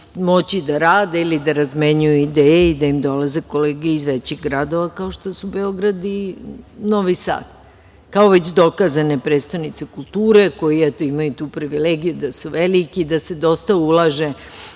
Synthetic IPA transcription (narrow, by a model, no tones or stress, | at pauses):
mo̞t͡ɕid̪aɾaːd̪eilid̪aɾazmeɲujuid̪eːjeid̪aimd̪o̞laze̞ko̞leːɡeizʋet͡ɕiɣɡɾad̪o̞ʋakaoʃt̪osube̞o̞ɡɾad̪i | no̞ʋisa̰ːt̪ | kao̞ʋe̞t͡ɕd̪o̞kazane̞pɾeːd̪st̪aʋnit̪se̞kulˠt̪uːɾe̞ko̞jiɛt̪o̞imajut̪uːpɾiʋileɡijud̪asuʋelikiːd̪ased̪o̞st̪aulˠaʒe̞